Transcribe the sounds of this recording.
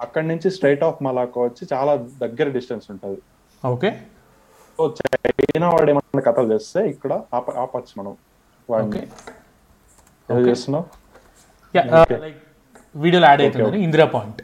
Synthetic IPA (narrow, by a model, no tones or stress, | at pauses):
ɐkːɐɽnuɲt͡ʃisʈɾejʈaːpʰmɐlaːkɐʋɐt͡ʃːit͡ʃaːlaːd̪ɐɡːɐɾɐɖisʈɐnsuɳʈuːd̪i | oːkeː | soːt͡ʃejnaːʋa̰ːɽemɐnːikɐt̪ɐlt͡ʃeːst̪e̞ːikːɐɽɐaːpɐaːpɐt͡ʃːɐmɐnɐmu | ʋaːni | ɛɐt͡ʃeːsina | jaːokelɐjk̚ | ʋiːɽijolaːɖejːt̪ueoːniind̪ɾaːpaːjiɳʈ